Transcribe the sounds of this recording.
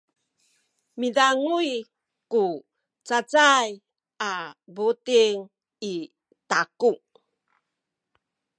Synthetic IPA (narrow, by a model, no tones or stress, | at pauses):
midaŋui | ku | t͡sat͡saj | abutiŋ | i | takuŋ